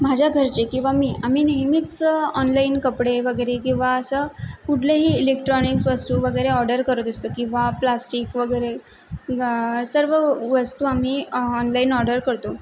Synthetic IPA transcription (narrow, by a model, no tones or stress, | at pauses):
mad͡ʑʱjaɡʱəɾt͡ɕekĩw̃ʋamiːʔam̤iːneɦmiːt͡sɔnlainkəpɽeʋəɡəjɾekĩw̃ʋaəsəkuʈʰleɦiːlekʈɾɔniksʋəst̪uːʋəɡəjɾeɔɾɖəɾkəɾət̪əst̪okĩw̃ʋaplasʈiːkʋəɡəjɾe | səɾʋəʋəst̪uːam̤iːɔnlainɔɾɖəɾkəɾt̪o